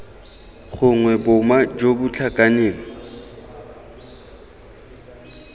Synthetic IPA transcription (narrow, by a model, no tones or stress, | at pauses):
χʊŋwɛbʊmad͡ʒobʊt͡ɬʰakʼaneːŋɔ